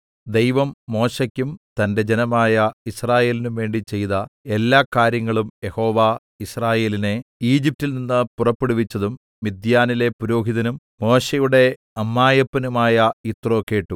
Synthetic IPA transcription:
d̪e̞jʋɐmːo̞ːɕɐkʲːumt̪ɐnde̞d͡ʑenɐmaːjɐisraːje̞ːlinumʋe̞ːɳɖit͡ɕe̞jðɐelːaːkːaːɾjɐŋːɐɭumje̞ho̞ːʋa | israːje̞ːline̞iːd͡ʑip̚tːilninːɨpurɐpːeɽuʋit͡ɕːɐðumː | id̪jaːnile̞puɾo̞ːɦiðɐnum | mo̞ːɕejuɽe̞ | ɐmːaːjɐpːɐnumaːjɐit̪ro̞ːkːe̞ːʈːu

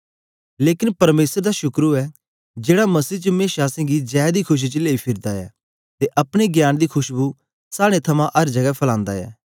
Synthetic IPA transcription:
leːkɪnpɐɾmeːsəɾd̪aʃʊkɾuɛ | d͡ʒeːɽamɐsiːt͡ʃəmẽːʃaːsɛ̃ːɡid͡ʒɛːd̪ikʰʊʃ̬it͡ʃəleːipʰɪɾd̪aɛ̰ː | t̪eʔɐpɽ̃eɡjaːnd̪ikʰʊʃbu | saːɽ̃et̪ʰɐmãʔɐɾd͡ʒɐɡɛpʰɐlãːnd̪aɛ̰ː

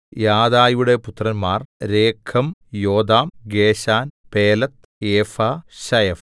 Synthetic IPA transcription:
jaːd̪aːjuɽe̞put̪rɐnmaːrɾeːkʰːɐmjo̞ːd̪aːmɡeːɕaːnpeːlɐt̪ | eːfaːɕɐjɐf

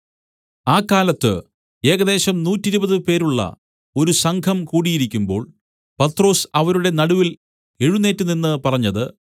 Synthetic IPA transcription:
aːkːaːlɐt̪ːɨ̰ | e̞ːɡɐðe̞ːɕɐmnuːtːiɾubɐðɨpe̞ːɾuɭːɐ̰ | o̞ɾusɐŋkʰɐmkuːɽijiɾikʲːumbo̞̰ːɭ | pɐt̪ro̞ːsɐʋɐɾuɽe̞nɐɽuʋil | eɻunːe̞ːtːuninːɨpɐrɐɲːɐðɨ

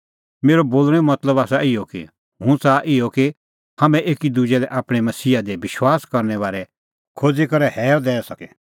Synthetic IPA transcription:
meːɾoboːlɽ̃ɛmɐt̪ləbaːsaɪɔkḭ | ɦũt͡saʔɪɔki | hɐmɛ̃ʔeːkid̪ud͡ʒɛlɛʔaːpɽ̃ɛmɐsiːad̪ɛbɪʃwaːskɐɾnɛʋaːɾɛ | kʰoːd͡zikɐɾɛhɛːd̪ɛːsɐkɛ

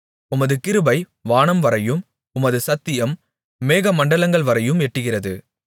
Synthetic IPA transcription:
ʊmɐðɯkɪɾɯbɐɪ | ʋaːɳɐmʋɐɾɐjɯm | ʊmɐðɯsɐt̪ːɪjɐmː | eːɣɐmɐɳɖɐlɐŋɡɐɭʋɐɾɐjɯmɛʈːɯɣɪrɐðɯ

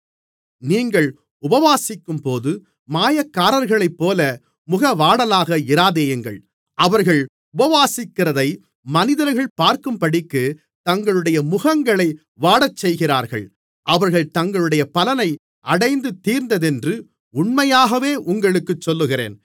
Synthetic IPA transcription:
niːŋɡɐɭ | ʊbɐʋaːsɪkːɯmpoːðɯ | maːjɐkːaːɾɐɾɣɐɭɐɪpːoːlɐ | mʊɣɐʋaːɽɐlaːɣɐɪɾaːðejɛŋɡɐ̰ɭ | ʔɐʋɐɾɣɐɭ | ʊbɐʋaːsɪkːɪrɐðɐɪ | mɐnɪðɐɾɣɐɭpaːɾkɯmpɐɽɪkːɯ | t̪ɐŋɡɐɭɯɽɐjɐmʊɣɐŋɡɐɭɐɪ | ʋaːɽɐt͡ʃːɛjɣɪra̰ːɾɣɐ̰ɭ | ʔɐʋɐɾɣɐɭt̪ɐŋɡɐɭɯɽɐjɐpɐlɐnɐɪ | ʔɐɽɐɪnd̪ɯt̪ːiːɾnd̪ɐðɛndrɯ | ʊɳmɐjaːɣɐʋeːʔʊŋɡɐɭɯkːɯt͡ʃːɔlːɯɣɪrḛːn

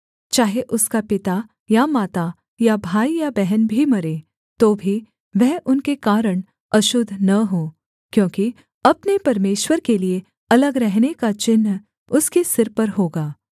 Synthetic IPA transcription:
t͡ʃaːɦeʔʊskapɪt̪a | jamaːt̪a | jabʱaːijabɛɦənbʱimɐɾeː | t̪oːbʱi | ʋɛɦʔʊnkekaːɾəɽ̃ | ɐʃʊd̪ʱnɐɦoː | kjõːki | ɐpnepɐɾmeːʃwəɾkelie | ɐləɡɾɛɦnekat͡ʃɪnː | ʊskesɪɾpɐɾɦoːɡaː

